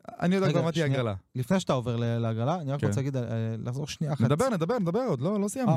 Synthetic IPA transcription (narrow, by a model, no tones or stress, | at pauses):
ʔa̰nijod̪aamaiaɡala̰lifne̞jʃat̪aoveʁleleaɡalaːniʁakat͡seaɡid̪laχzo̞ʁʃnianed̪abe̞ʁned̪abe̞ʁned̪abe̞ʁod̪lo̞losijam